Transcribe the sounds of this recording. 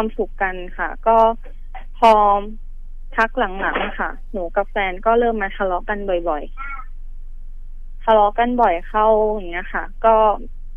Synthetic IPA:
aː˧msu˨˩kːa˧nkʰa̰˥˩kɔː˥˩ | pʰɔː˧ | t̪ʰa˦˥k̚la˩˦ŋla̰˩˦ŋ˧kʰa˥˩ | nuː˩˦ka˨˧˩p̚fɛː˧nkɔː˥˩lɤː˥˩mːaː˧t̪ʰa˧lɔː˦˥ka˧nbɔ˨˩jbɔ˨˩j | t̪ʰa˧lɔː˦˥ka˧nbɔ˨˩jxʰa˥˩wŋːi˦˥ɐxʰa˥˩kɔː˥˩

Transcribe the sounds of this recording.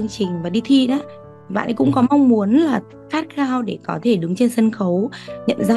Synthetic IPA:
əŋt͡ɕï˨˩ŋ̟vaː˨˩ɗi˧t̪ʰi˧ɗaː˨˦˨ | ɓa̰ː˧˨nʔə˨˦kʊ̰˧˥ŋ͡mkɔ˨˦ma˧wŋ͡mmu˨˦ənlaː˨˩ | xaː˦˥t̚xaː˧wɗe˧˩kɔ˨˦t̪ʰe˧˩ɗɨ˨˦ŋt͡ɕe˧nsə˧nxə˨˦wɲə̰˧˨mza˦˧

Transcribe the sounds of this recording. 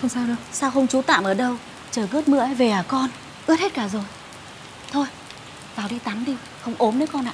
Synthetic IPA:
xə˧wŋ͡msaː˧wɗɨ˨˩ək̚saː˧wxə˧wŋ͡mt͡ɕu˨˦t̪a̰ː˧˨mʔəː˧˩ɗə˧w | t͡ɕəː˨˩jɣəː˦˥t̚mɨ̰˧˥əə˨˦ve˨˩ʔaː˨˩kɔ˧n | ʔɨ˦˥ət̚he˦˥t̚kaː˧˩zo˨˩j | t̪ʰo˧j | vaː˨˩wɗi˧t̪a˨˦mɗi˧ | xə˧wŋ͡mʔo˨˦mnəː˨˦jkɔ˧nʔa̰ː˧˩

